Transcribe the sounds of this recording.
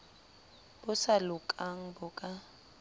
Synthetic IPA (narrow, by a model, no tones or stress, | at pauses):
b̥ʊsalʊkʼaŋ̩bʊkʼa